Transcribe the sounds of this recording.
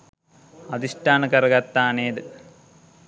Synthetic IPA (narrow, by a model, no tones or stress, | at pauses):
ɐd̪isʈaːnɐkɐɾɐɡɐt̪ːaːneːd̪ɨ